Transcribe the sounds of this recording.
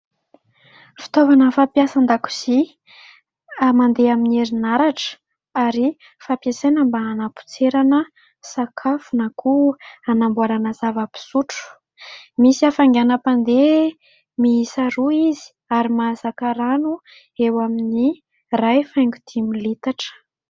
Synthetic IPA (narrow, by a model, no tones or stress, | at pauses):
fi̥t̪ovanəfapjasand̪aku̥z̥i | amand̪eamineɾinaɾaʈ͡ʂə̥ | aɾi | fapjasenəmbaanapu̥t͡seɾanə | sakʰafunakuanambuaɾanəzavəpi̥suʈ͡ʂu̥ | misiafaŋɡanəpand̪e | miisaɾuizi̥ | aɾimazakəɾanu | ewamini | rajfajŋɡut̪ʰimilit̪aʈ͡ʂə̥